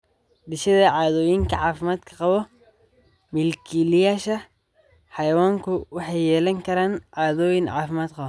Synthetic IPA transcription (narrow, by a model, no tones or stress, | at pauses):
d̪ɪʃɐðɐʕɑːðɔːjɪŋkʰɐʕɑːfɪmaːd̪kʰɐ̥qɑβɔ | mɪlkʰilɪjaːʃɐ | ħɑjɐwaːŋkʰʊwɑħɑjːɛːlɐŋkʰɐɾaːnʕɑːðɔːjɪnʕɑ̰ːfɪmaːd̪qɑβɔ